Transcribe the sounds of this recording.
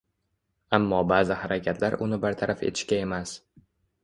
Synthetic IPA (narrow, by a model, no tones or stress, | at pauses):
amːɒbaːzɪhaɾakʲʰat̪ʰlaɾʊnɪbaɾt̪ʰaɾʔafe̞̰t̪ʰɪ̥ʃkʲae̞mas